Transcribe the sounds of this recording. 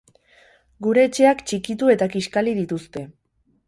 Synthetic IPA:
ɡuɾe̞ːt͡ʃe̞akt͡ʃikit̪ue̞t̪akiʃkalið̞it̪ust̪e̞

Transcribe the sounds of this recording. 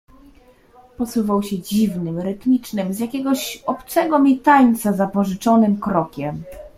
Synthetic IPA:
pɔsuvawɕɛd͡ʑivnɘmɾɘt̪mʲit͡ʂnɘmzjakʲɛɡɔɕɔpt̪sɛɡɔmʲit̪aɲt̪sazapɔʐɘt͡ʂɔnɘmkɾɔkʲɛm

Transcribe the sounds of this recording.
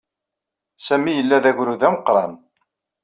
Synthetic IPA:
sæmijəlːæðæʝɾuðæməqɾˤɑn

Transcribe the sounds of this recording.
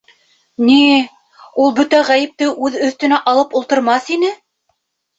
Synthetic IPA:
ni | ulˠbɵt̪æʁæjɘ̆p̚t̪ɘʔʉðɵ̆θt̪ɵ̆næʔɑlˠɤpulˠt̪ɤ̆ɾmɑθinɘ

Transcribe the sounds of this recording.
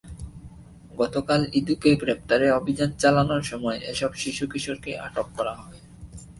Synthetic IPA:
ɡɔt̪okalid̪ukeɡɾep̚t̪aɾeobʱid͡ʑant͡ɕalanoɾʃɔmɔeʔeʃɔbʃiʃukiʃoɾkeʔa̰ʈokːɔɾaɦɔe

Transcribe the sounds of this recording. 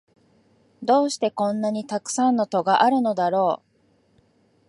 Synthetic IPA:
d̪o̞ːɕi̥t̪e̞kõ̞nːaɲ̟it̪akɯ̟̥sãnːot̪o̞ɡaʔaɾɯ̟no̞d̪aɾo̞ː

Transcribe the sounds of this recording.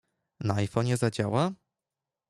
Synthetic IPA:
naajfɔɲɛzad͡ʑawa

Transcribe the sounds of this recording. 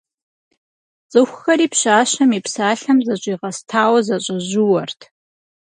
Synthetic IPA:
t͡sʼɨxʷxɐɾiːpɕaːʃɐmipsaːɬɐmzɐɕʷʼiːʁɐstʰaːwɐzɐɕʷʼɐʑuwɐrtʰ

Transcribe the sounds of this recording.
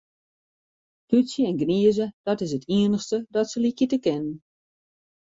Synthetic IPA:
tysjəɛnɡniəzəd̥ɔtɪs̬ətʰiənəxstədɔtsəlikjətəkɪnən

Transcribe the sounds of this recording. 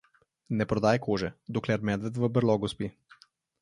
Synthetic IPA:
nɛpɾɔd̪aːjkoːʒɛd̪oklɛɾmɛd̪ʋɛt̪ʋəbəɾlɔɡuspi

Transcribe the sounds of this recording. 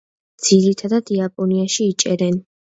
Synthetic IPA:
d̪z̥iɾit̪ʰad̪ad̪iapʼɔniaʃiːt͡ʃʼɛɾɛn

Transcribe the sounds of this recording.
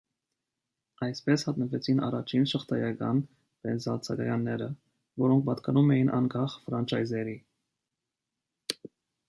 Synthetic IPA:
ɑjspɛshɑt̪nəvɛt͡sʰinɑ̰rɑt͡ʃʰinʃəχt̪ʰɑjɑkɑ̰n | pɛnzɑlt͡sʰɑɡɑjɑnːɛɾə | vɔɾɔŋk̚ʰpɑt̪kɑnumɛjinʔɑ̰ŋkɑχfɾɑnt͡ʃʰɑjzɛɾi

